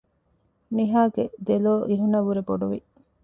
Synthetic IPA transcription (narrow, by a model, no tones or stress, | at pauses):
niɦaːɡed̪eloːʔiɦunɐʋuɾeboɖuʋḭ